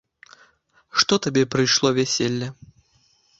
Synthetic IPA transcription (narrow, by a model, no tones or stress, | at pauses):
ʂt̪ɔt̪abʲɛpɾɨjʂlˠɔvʲɛsʲelʲːɐ